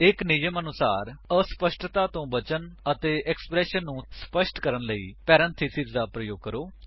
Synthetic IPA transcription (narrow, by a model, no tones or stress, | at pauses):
ɪknɪd͡ʒəmənʊsaːɾəspəʃʈt̪aːt̪õːbət͡ʃənət̪eːʔɛksə̥pɾɛːʃənːũːspəʃʈkəɾənləḭːpɛːɾə̃nt̪ʰisɪzd̪aːpɾəjoːɡ̚kəɾoː